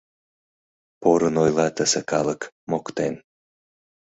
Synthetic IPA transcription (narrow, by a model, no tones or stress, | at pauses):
poɾənojlɑt̪əsekɑlək | mokt̪en